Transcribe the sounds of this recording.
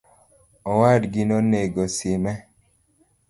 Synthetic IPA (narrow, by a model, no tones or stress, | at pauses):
ɔwadɡinɔneɡɔsɪmɛ